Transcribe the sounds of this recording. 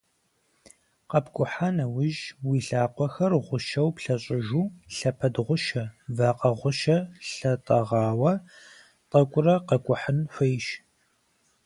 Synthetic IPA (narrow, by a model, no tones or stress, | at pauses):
qɐpɡʷʼʊħaːnɐwɪʒwiːɬaːqʷɔxɐrʁʷʊʃɐwpɬɐɕʼɪʒuːɬɐpʰɐdʁʷʊʃɐvaːqɐʁʷʊʃɐɬɐtʼɐʁɑːwɐ | tʼɐkʷʼʊrɐqɐkʷʼʊħənfʷejʃ